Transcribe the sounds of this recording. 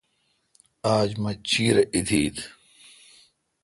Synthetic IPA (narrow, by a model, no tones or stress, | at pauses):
aːd͡ʑmɐt͡ɕiːɾeʔid̪ʰiːt̪